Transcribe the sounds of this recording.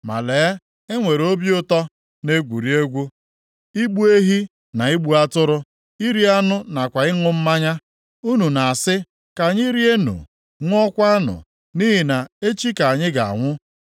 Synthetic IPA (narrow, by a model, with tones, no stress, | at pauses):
ma̰˨le˨˦ | e˦ŋʷe˨ɾo˦bjʊ˦tɔ˦ | ne˦ɡʷu˨ɾi˦e˦ɡʷu˦ | i˦ɡ͡bu˦e˦ɦi˦ | na˨i˦ɡ͡bu˦a˦tʊ˦ɾʊ˦ | i˦ɾi˦a˦nʊ˦na˨kʷa˨ɪ˦ŋʊ˦m̩˦ma˦ɲa˦ | u˦nu˨na˨a˨sɪ˦ | ka˨ɲɪ˦ɾi˦e˦nṵ˨ | ŋʷ˦ɔ˦kʷa˦nʊ̰˨ | ni˦ɦi˨na˨e˦t͡ʃi˦ka˨a˨ɲɪ˦ɡa̰˨a̰˨ŋʷʊ˦